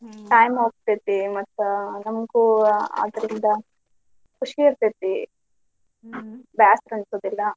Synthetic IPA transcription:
ʈɐjmoːk̚t̪et̪imɐt̪ːunɐmɡuːa̰ːd̪ɐɾind̪ɐ | kuʂiːɾt̪et̪i | baːsɾɐnsoːd̪ilːɐ

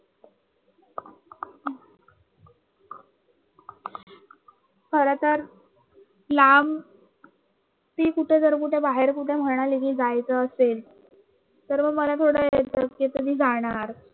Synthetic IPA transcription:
kʰəɾət̪əɾ | lam | t̪iːkuʈʰed͡zəɾkuʈʰebaɦeɾkuʈʰem̤əɾɳ̃aliɡiːld͡zajt͡səəsel | t̪əɾməɡməlat̪ʰoɽəjet̪əket̪əd̪iːd͡zaɽ̃aɾ

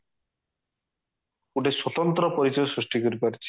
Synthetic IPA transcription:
uʈeswɔt̪ɔnt̪ɾɔpɔɾit͡ʃɔjɔsɾisʈikɔɾipaɾit͡ʃʰi̥

